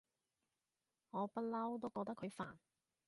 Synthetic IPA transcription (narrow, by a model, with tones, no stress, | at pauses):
ŋɔː˨˧pɐ˥t̚lɐ˥wt̪o˥wkɔː˧k̚t̪ɐ˥kʰɵ˨˧ɥfa̰ː˨˩n